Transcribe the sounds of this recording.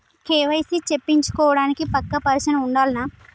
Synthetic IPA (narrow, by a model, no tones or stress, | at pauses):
keːʋɐjsit͡ʃepːiɲt͡ʃu̥kɔːʋɐɽaːnikipɐkːɐpɐɾɐsɐnɐuɳɖaːlɐnaː